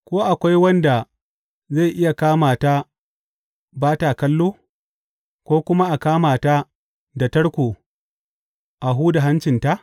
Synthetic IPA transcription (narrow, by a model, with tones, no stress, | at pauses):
kʷoː˦ʔa˨kʷa˦jwɐ˦nda˨ | za˦˨ʔɪ˦ja˨kaː˦maː˨ta˦ | baː˦ta˨kɐ˦lːoː˦ | kʷoː˦kʷʊ˦ma˦ʔa˨kaː˦maː˨ta˦ | dɐ˨tɐ˦ɽkʷoː˨ | ʔa˨ɦuː˦da˨ɦa˦nt͡ʃɪ˨nta˦ʔ